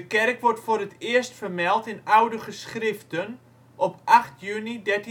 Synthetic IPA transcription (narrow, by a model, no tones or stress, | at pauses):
əkɛrkʋɔrtfoɾətɪəstfərmɛlˠtɪnawdəχəsχrɪftən | ʔɔpʔaχtʰjynidɛt